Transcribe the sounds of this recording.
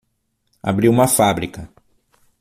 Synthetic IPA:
a̰bɾiwũmɐfabɾikɐ

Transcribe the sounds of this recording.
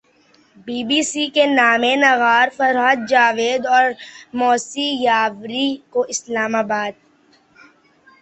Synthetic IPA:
biːbiːsikenaːmenɐɣaːɾfɐɾɦəd̪̚d͡ʒaːʋeːd̪ɔːɾmɔːsijaːʋɾikoʔɪslaːmaːbaːd̪̚

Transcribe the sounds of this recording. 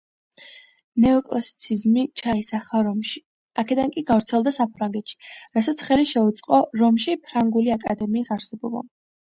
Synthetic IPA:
nɛɔkʼlasi̥t̪sʰizmit͡ʃʰaisaχaɾɔmʃi̥ | akʰɛd̪aŋkʼiɡavɾt̪sʰɛlˠd̪asapʰɾaŋɡɛt̪ʃi̥ɾasat̪sʰχɛliʃɛut̪sʼqʼɔɾɔmʃipʰɾaŋɡuliakʼad̪ɛmiːsaɾsɛbɔba̰

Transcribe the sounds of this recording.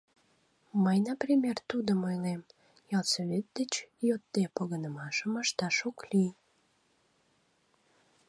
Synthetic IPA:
məjnəprʲimʲert̪ud̪əmojlem | jɑlsoβet̪̚d̪et͡ɕjot̪̚ːepoɣənəmɑʃəməʃt̪ɑʃoklij

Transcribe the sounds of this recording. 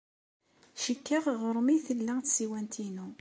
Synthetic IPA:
ʃəkːaʁʁəɾˤmiθəlːæŋθsiwænt̪ʰinu

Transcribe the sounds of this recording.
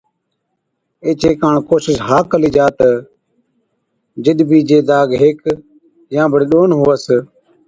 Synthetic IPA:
eːt͡ʃeːkãːɳkoːsɪsɦaːkəliːd͡ʒaːt̪ə | d͡ʒɪɗ̪biːd͡ʒeːd̪aːɡɦeːk | jãːbəɽeːɗoːnɦoːəs

